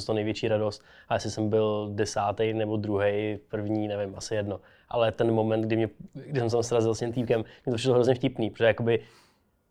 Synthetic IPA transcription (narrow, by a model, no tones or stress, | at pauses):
t̪onɛjvjɛt͡ʃiːɾadost̪̚ʔajɛsɪsɛmbɪldɛsaːt̪ɛjnɛbo̞d̪ɾuɦejpr̩vɲiːnɛvɪmʔasɪjɛdno | ʔa̰lɛt̪ɛnmo̞mɛnt̪̚ɡ̚dɪmɲɛɡdɪsɛmsɛt̪amsɾazɪlscɪmt̪iːkɛmmɲɛt̪oprɪ̥ʃloɦɾozɲɛfcɪpniːpɾoʒɛjako̞bɪ